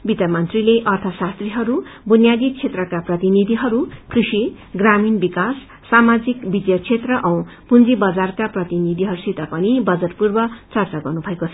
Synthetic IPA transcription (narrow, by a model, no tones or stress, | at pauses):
bit̪amʌnt̪rileʔʌrt̪ʰʌsast̪riɦʌɾubunjad̪it͡sʰet̪rʌkaprʌt̪inid̪ʱiɦʌɾukrisi | ɡraminbikasː | amad͡zikbid̪jʌt͡sʰet̪rʌʔʌ̃w̃pund͡zibʌd͡zarkaprʌt̪inid̪ʱiɦʌɾusit̪ʌpʌnibʌd͡zʌʈpurbʌt͡sʌrt͡saɡʌrnubʱʌekot͡sʰʌ